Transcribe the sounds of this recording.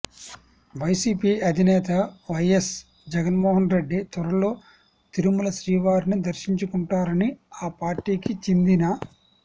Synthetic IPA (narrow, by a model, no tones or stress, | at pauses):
ʋɐjsiːpiːɐd̪ʱinɛːt̪ɐʋɐjes | d͡ʒɛɡɐnmoːɦɐnɾe̞ɖːit̪ʋɐɾɐlo̞ː | t̪iɾumulɐsɾiːʋaːɾnid̪ɐɾʃiɲt͡ʃukuɳʈaːɾɐniaːpaːɾʈiːkit͡ʃind̪inɐ